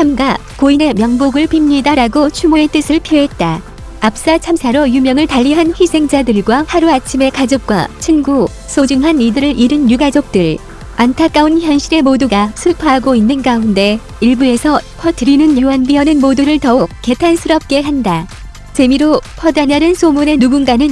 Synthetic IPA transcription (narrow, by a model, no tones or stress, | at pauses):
hʰamɡa | koine̞mjʌŋboɡɯɭpimɲidaɾaɡot͡ɕʰumoe̞t͈ɯsʰɯɭpʰioɦe̞t̚t͈a | ap̚s͈at͡ɕʰamsʰaɾojumjʌŋɯɭtaʎːiɦanɸwisʰe̞ŋd͡ʑadɯɭɡwahaɾuat͡ɕʰime̞kad͡ʑok̚k͈wa̰t͡ɕʰɯnɡu | sʰod͡ʑɯŋɦanidɯɾɯɾʔiɾɯnjuɡad͡ʑok̚t͈ɯɭ | antʰak͈aunçjʌnɕʰiɾe̞moduɡasʰupʰaɦaɡoinːɯnɡaunde̞ | iɭbue̞sʰʌpʰʌtʰɯɾinɯnjiwʌnbiʌnɯnmoduɾɯɭtʌuk̚k͈e̞tʰansʰɯɾʌp̚k͈e̞ɦanda | t͡ɕe̞miɾopʰʌdanaɾɯnsʰomune̞nuɡunɡanɯn